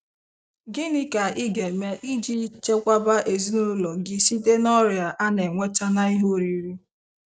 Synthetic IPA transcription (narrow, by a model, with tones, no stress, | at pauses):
ɡɪ˦nɪ˦ka˨ɪ˦ɡe˨me˦ʔi˦d͡ʒi˦t͡ʃe˦kʷa˦ba˦ʔe˨zi˦nʊ˦lɔ˨ɡɪ˦si˦de˦nɔ˦ɾja˨ʔa˦ne˨ŋʷe˦ta˦na˦i˦ɦo˦˨ɾi˨˦ɾi˦